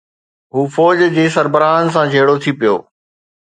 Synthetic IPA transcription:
ɦuːfɔːd͡ʑd͡ʑeːsɐɾbəɾaːɦənɪ̆s̬ãd͡ʑʱeːɽot̪ʰipijo̰ː

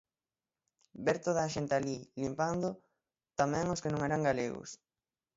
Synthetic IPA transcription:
beɾt̪oðaːʃent̪alilimpand̪ʊ | t̪amɛ̃ŋoskenõŋeɾaŋɡaleɣʊ̰s

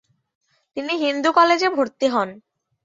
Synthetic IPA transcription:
t̪iniɦind̪ukɔled͡ʑebʱoɾt̪iɦɔn

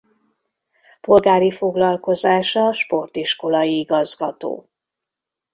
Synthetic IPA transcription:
po̞lɡaːɾifo̞ɡlɒlko̞zaːʃɒːʃpo̞rt̪iʃko̞lɒjiiɡɒzɡɒt̪o̰ː

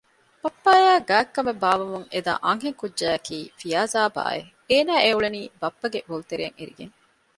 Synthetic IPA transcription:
b̥ɐpːaːjæːɡæːkːɐmebaːʋɐmuŋed̪a̰ːʔɐŋɦeŋkudʒæːɐkʰiːfijaːzaːba̰ːḛ | eːnaːeuɭeniːbɐpːɐɡebolut̪eɾḛːŋeɾḭɡḛŋ

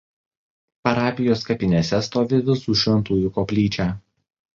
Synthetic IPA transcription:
pɐɾɑːpʲɪjoːskɐpʲɪnʲesʲɛst̪oːʋʲɪʋʲɪsuːʃʲʋʲɛnˑt̪uːjʊkoːpʲlʲiːt͡ʃʲæː

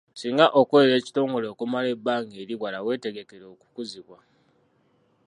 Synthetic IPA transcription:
siːŋɡaʔo̞kweɾe̞ːci̥to̞ːŋɡo̞leːkumale̞bːaːŋɡeɾiɣwalawe̞ːte̞ɡe̞ke̞ɾo̞ːku̥kuziβwa

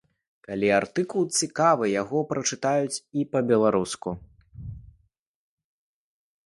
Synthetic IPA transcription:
kalʲiart̪ɨkulˠt͡sʲikavɨjaɣɔpɾɐt͡ʂɨt̪ajut͡sʲipɐbʲɛlˠaɾusku

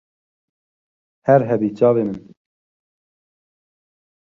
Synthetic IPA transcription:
hɛɾɦɛbiːt͡ʃɑːveːmɨn

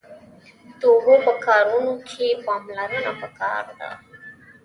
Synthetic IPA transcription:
t̪obopəkɑɾunokʰepɑmlaɾənapəkɑ̰ɾd̪a̰

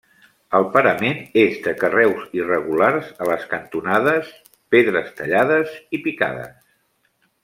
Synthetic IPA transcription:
əlˠpəɾəmenezðəkərɛwzirəɣ̞ularzələskənt̪unaðəs | peðɾəst̪əʎaðəzipika̰ðə̰s

